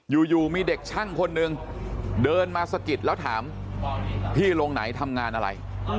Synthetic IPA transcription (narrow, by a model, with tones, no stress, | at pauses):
juː˨˩juː˨˩miː˧de˨˩k̚t͡ɕʰa˥˩ŋkʰo˧nːɯ˧ŋ | dɤː˧nmaː˧sa˧ki˨˩t̪̚lɛː˦˥wt̪ʰaː˩˦m | pʰiː˥˩lo˧ŋna˩˦jt̪ʰa˧mŋaː˧nʔa˧ɾa̰˧j